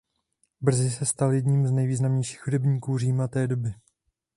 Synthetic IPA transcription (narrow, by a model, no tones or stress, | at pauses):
br̩zɪsɛst̪aljɛdɲiːmznɛjviːznamɲejʃiːxhudɛbɲiːkuːriːmat̪ɛːdo̞bɪ